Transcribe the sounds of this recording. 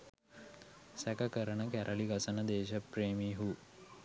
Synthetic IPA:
sækəkəɾənəkæɾʔəliɡasənəd̪eːʃəpɾeːmiːɦu

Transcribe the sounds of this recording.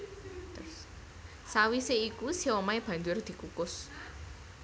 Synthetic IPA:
sawiseikusiɔmajb̥ä̤nd͡ʒʊrd̪̥i̤kukʊs

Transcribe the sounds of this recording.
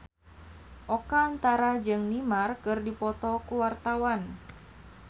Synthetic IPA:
ʔɔkaːnt̪aɾad͡ʒɨŋnimarkɨrdipɔt̪ɔkuwart̪awan

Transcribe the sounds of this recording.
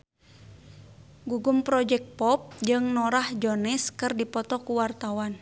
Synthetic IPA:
ɡuɡumpɾɔd͡ʒɛk̪̚pɔp̚d͡ʒɨŋnɔɾahd͡ʒɔnɛskɨrdipɔt̪ɔkuwart̪awan

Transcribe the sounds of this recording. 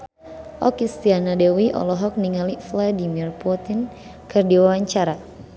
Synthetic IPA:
ʔɔkist̪ianadɛwiʔɔ̰lɔɦɔk̚niŋalifladimirput̪in | kɨrdiwawaɲt͡ʃaɾa

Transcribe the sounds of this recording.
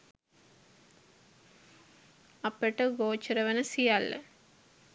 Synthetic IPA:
ɐpeʈəɡoːt͡ʃɐɾɐʋənəsijalːɐ̰

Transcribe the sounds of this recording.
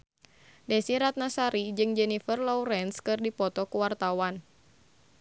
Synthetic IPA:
dɛsiɾat̪̚nasaɾid͡ʒɨŋd͡ʒɛnifərlɔwɾɛnskɨrdipɔt̪ɔkuwart̪awan

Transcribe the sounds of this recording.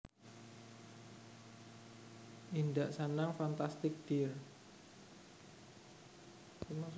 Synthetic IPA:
ʔind̪aʔsanaŋfant̪ast̪ɪk̚d̥ir | simas

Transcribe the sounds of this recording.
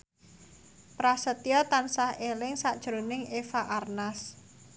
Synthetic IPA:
pɾasət̪iɔt̪ansahelɪŋsaʔd̥ʒ̥ɾonɪŋefaʔarnas

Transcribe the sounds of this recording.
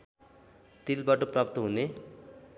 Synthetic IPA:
t̪ilbaʈoprʌp̚t̪oɦune

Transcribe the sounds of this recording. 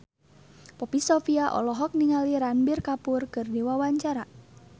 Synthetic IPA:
pɔpisɔfiaʔɔ̰lɔɦɔk̚niŋaliɾanbirkapurkɨrdiwawaɲt͡ʃaɾa

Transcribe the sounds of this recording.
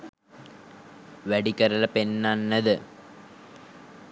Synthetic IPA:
ʋɐɽikɐɾɐlɐpenːanːɐðɨ

